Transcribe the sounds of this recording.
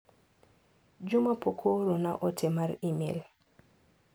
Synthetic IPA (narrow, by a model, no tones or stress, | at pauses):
d͡ʒʊmapokʰoɾonaʔɔtʰɛmaɾimḛl